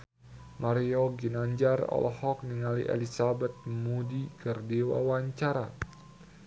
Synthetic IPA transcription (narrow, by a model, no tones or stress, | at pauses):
maɾioɡinaɲd͡ʒarɔ̰lɔhɔk̚niŋalḭʔḛlisabɛt̪̚mudikərdiwa̰waɲt͡ʃaɾa